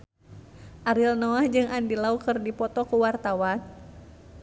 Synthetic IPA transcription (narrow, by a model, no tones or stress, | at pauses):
ʔaɾilnɔahd͡ʒɨŋʔandilaukɨrdipɔt̪ɔkuwart̪awan